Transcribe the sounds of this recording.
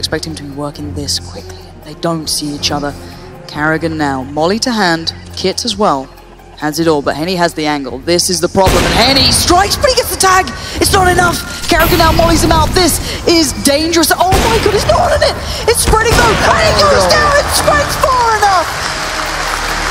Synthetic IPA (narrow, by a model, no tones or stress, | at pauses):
ɨkspɛk̚t̚hɨ̃m̩tʰɨbiwɜ˞kɪ̃ŋðɪskʰw̥ɪkʰli | ðeɪdõʊ̃ntsiit͡ʃʌðə˞ | kʰæɹɨɡɨ̃nːaʊmɑlˠiɾɨɦæ̃nd̥ | kʰɪtɨzwɛlˠ | əzɨɾɔlˠbʌ̰ʔ̚hɛ̃ñiɨzðiæ̃ŋɡə̰l̩ˠðɪsɨzðəpʰɹ̥ɑblə̃mɨ̃nhɛñistɹ̥aɪkspʰɹ̥ɪɾiɡɛtsðətʰæɡɨtsnəɾɨnʌf | kʰæɹɨɡɨ̃nːaʊmɑlˠizɨ̃maʊt̪̚ðɪs | ɪzdẽɪ̃nd͡ʒə˞ɨsoʊmaɪɡʌɾɨsnət̚wʌnɨnɪt̚ɨtspɹɛɾɪ̃ŋɡoʊɛɾɪ̃ŋjəznaʊɪtstɹ̥aɪksfɑɹɪnʌf